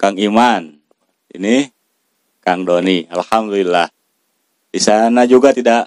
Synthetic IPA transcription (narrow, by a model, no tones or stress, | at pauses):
kaŋiman | ḭni | kaŋdɔnialhamdulilːah | disanad͡ʒuɡat̪idaʔ